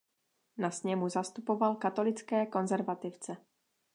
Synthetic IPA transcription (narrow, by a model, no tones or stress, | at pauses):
nasɲɛmuzast̪upovalkat̪o̞lɪt͡skɛːko̞nzɛɾvat̪ɪft͡sɛ